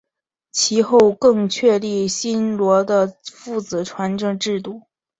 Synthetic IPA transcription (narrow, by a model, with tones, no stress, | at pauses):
t͡ɕʰi˧˥xo˥˧ʊkɤ˥˧ŋt͡ɕʰɥɛ˥˧li˥˩ɕi˥nlwɔ˧˥d̪ə˧fu˥˩t͡sɹ̩˨˩ʈ͡ʂʰwa˧˥nʈ͡ʂɤ˥ŋʈ͡ʂɻ̩˥˧t̪̬u˥˩